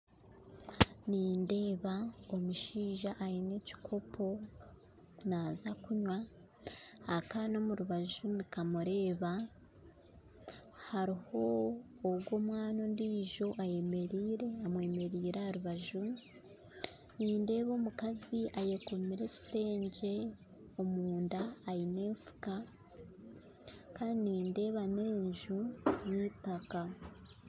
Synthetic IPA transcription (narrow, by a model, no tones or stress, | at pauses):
niːnde̞ːβao̞muʃiːʒaʔːjine̞ci̥kʰo̞pʰo̞ | naːzakuɲwaː | kano̞muɾuβaʒunikamuɾe̞ːβa | haɾiho̞ː | ɡɡwo̞mwaːno̞ndiːʒo̞ʔaje̞me̞ɾiːɾe̞amwe̞ːme̞ɾiːɾehaɾuβaʒu | niːnde̞ːβo̞ːmukaziʔajekomiɾe̞ci̥te̞ːɲɟe̞ | o̞muːndaːjine̞ːɱfu̥ka | kaːdiniːnde̞ːβame̞ːɲʒuniːtaka